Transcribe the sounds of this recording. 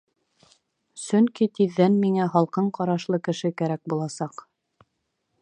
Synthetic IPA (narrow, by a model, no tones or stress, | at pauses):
sɵŋkit̪iðːænmiŋæɦɑlˠqɤɴqɑɾɑʃlˠɤkɘ̆ʃɘkæɾæk̚bulˠɑsɑq